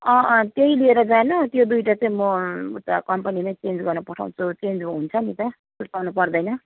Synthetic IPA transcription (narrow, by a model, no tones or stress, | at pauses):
ʌt̪jeilieɾʌd͡zanut̪jod̪ujʈat͡saĩmʌut̪akʌmpanimajt͡send͡zɡʌrnʌpʌʈʰa̰w̃t͡sʰut͡send͡zoɦunt͡sʰʌnit̪ʌ | sut̪awnupʌrd̪ʌjnʌ